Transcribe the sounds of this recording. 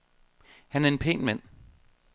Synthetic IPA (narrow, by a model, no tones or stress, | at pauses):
hænæɐe̝npʰḛːnmæn̰